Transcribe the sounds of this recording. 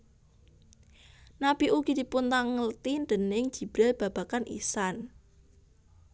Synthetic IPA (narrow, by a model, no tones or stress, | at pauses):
nab̥iʔuɡ̥id̪̥i̤punt̪aŋəlt̪inɖ̪̥ənɪŋd̥d͡ʒ̥i̤b̥ɾɛlb̥a̤b̥a̤kanʔḭsan